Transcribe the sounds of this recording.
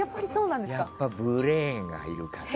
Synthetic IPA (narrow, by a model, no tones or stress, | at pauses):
japːaɾʲiso̞ːnãnd̪ejsakpːabɯɾẽːŋɡa̰iɾɯ̟ka